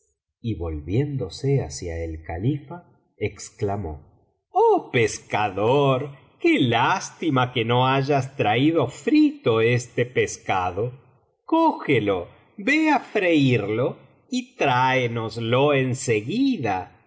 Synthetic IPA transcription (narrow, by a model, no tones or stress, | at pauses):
iβo̞lβjend̪o̞seasja̰elka̰lifa | eksklamo̰ | opeskaðoɾ | kelast̪imakenoaʒast̪ɾaiðo̞fɾit̪oest̪epeskaðo | koxelo | beafɾeiɾlo | it̪ɾaenozloenseɣiða